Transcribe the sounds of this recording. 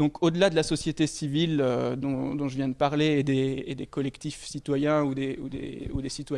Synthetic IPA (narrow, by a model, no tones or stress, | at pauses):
d̪ɔ̃kʰod̪əlad̪əlasɔsjet̪esivilød̪ɔ̃d̪ɔ̃ʒəvjɛ̃d̪əpaʁleed̪eːd̪ekɔlɛkt̪ifsit̪wajɛ̃ud̪eud̪ḛud̪esit̪wa